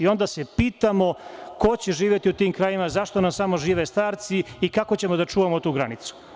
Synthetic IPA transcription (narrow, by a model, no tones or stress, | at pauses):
io̞nd̪aːsepiːt̪amo̞ko̞t͡ɕe̞ʒiːʋʲje̞t̪iut̪iːmkɾajimazaʃt̪o̞namsamoʒiːʋest̪aːɾt̪siikakot͡ɕe̞mo̞d̪at͡ʂuːʋamot̪uːɡɾanit̪su̥